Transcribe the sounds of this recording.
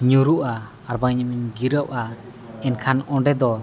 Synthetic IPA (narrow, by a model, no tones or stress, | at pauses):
ɲuɾuʔaː | ɾbaŋɲəmiɲɡiɾəʔʔa | ɛnkʰanɔɖɛd̪ɔ